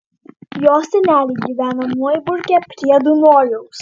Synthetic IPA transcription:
jɔːsɪnʲæːlʲiɡʲiʋʲæːnɐmuɔjbʊɾʲkʲɛpʲɾʲiɛd̪unɔːjows

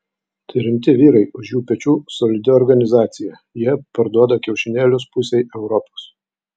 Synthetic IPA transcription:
t̪ɐɪɾʲɪmʲt̪ʲɪʋʲiːɾɐɪʊʃjuːpʲɛt͡ʃʲuːsɔlʲɪd̪ʲɪɔɾɡɐnʲɪzɑːt̪sʲɪjɛ | jiɛpɐɾd̪uɔd̪ɐkʲɛʊʃʲɪnʲeːlʲʊspʊsʲɛɪʔɛʊɾɔpos

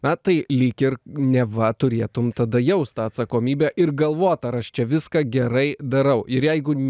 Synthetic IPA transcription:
nɐt̪ɐɪlʲɪkɪrnʲɛʋɐt̪ʊɾʲeːt̪ʊmt̪ɐd̪ɐjɛʊst̪ɑːɐt̪sɐkoːmʲiːbʲæʔɪrɡɐlˠʋoːt̪ɐɾɐʃt͡ʃʲɛʋʲɪskɑːɡʲɛɾɐɪd̪ɐɾɐʊʔɪɾjɛɪɡʊ

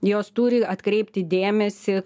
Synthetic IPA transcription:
joːst̪uːɾʲɪɐt̪kɾʲɛɪpʲt̪ʲɪd̪ʲeːmʲɛsʲɪ

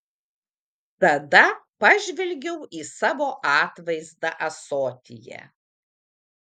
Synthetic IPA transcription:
t̪ɐd̪ɐpɐʒʲʋʲɪlʲɡʲɛʊʔiːsɑːʋoːʔɑːt̪ʋɐɪzd̪ɐʔɐsoːt̪ʲɪ̰jɛ̰

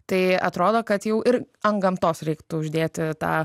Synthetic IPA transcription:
t̪ɐɪɐ̰t̪ɾoːd̪oːkɐt̪jɛʊʔɪɾ | ɐŋɡɐmt̪oːsɾʲɛɪkt̪ʊʊʒʲd̪ʲeːt̪ʲɪt̪ɑ̰ː

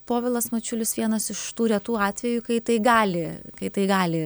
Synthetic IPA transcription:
poːʋʲɪlˠɐsmɐt͡ʃʲʊlʲɪsʋʲiɛnɐsɪʃt̪uːɾʲɛt̪uːɑːt̪ʲʋʲɛjukɐɪt̪ɐɪɡɑːlʲɪkɐɪt̪ɐɪɡɑːlʲɪ

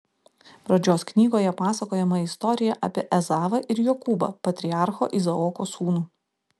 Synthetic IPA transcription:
pɾɐd͡ʒʲoːsknʲiːɡoːjɛpɑːsɐkoːjɛmɐɪst̪ɔɾʲɪjɛʔɐ̰pʲiɛʔɛzɑːʋɐʔɪɾjoːkuːbɐ̰pɐt̪ʲɾʲɪɑˑɾxo̰ːʔizɐoːkoːsuːnuː

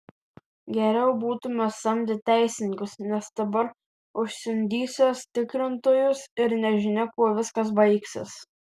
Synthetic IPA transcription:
ɡʲɛɾʲɛʊbuːt̪ʊmʲɛsɐmʲd̪ʲɪt̪ʲæˑɪsʲɪnʲɪŋʲkʲʊsnʲɛsd̪ɐbɐɾ | ʊʃʲsʲɪmʲd̪ʲiːsʲost̪ʲɪkɾʲɪnt̪oːjʊsɪɾnʲɛʒʲɪnʲɪkuɔʋʲɪskɐs̬bɐɪksʲɪ̰s

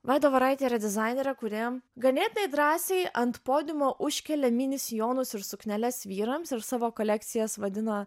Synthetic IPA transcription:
ʋɑɪd̪oːʋɐɾɐɪt̪ʲeːɾɐd̪ʲɪzɑɪnʲeːɾʲɛkʊɾʲeɛmɡɐnʲeːt̪ʲɪnɐɪd̪ɾɑːsʲɛɪʔɐnt̪poːd̪ʲɪmoːʔʊʃʲkʲɛlʲɛmʲinʲɪsʲjoːnʊsɪɾsʊknʲɛlʲɛsʋʲiːɾɐmsɪɾsɑːʋoːkolʲɛk̚t̪sʲɪjɛsʋɐd̪ʲɪnɐ

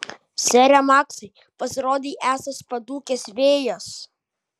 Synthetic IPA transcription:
sʲɛɾʲɛmɑːksɐɪ | pɐsʲɪɾoːd̪ʲiːʔæːsɐspɐd̪uːkʲesʋʲeːjos

